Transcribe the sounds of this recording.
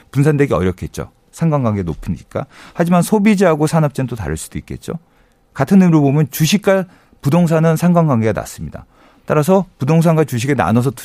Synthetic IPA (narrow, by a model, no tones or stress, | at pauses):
punsʰande̞ɡiʌ̰ɾjʌkʰe̞t̚t͡ɕ͈o̰ | sʰaŋɡaŋɡwaŋɡeno̰pʰɯɲik͈a̰had͡ʑimansʰobid͡ʑiɦaɡosʰanap̚t͡ɕ͈ent͈ota̰ɾɯɭs͈ud̥oik͈e̞̰t̚t͡ɕ͈o̰ | katʰɯnːɯmiɾobomjʌnt͡ɕuɕʰik̚k͈aɭ | pudoŋs̬ʰanɯnsʰaŋɡwaŋɡwaŋɡe̞ɡana̰s͈ɯmɲida̰ | t͈aɾas̬ʰʌpudoŋs̬ʰaŋɡat͡ɕuɕ̬ʰiɡena̰nʌs̬ʰʌtu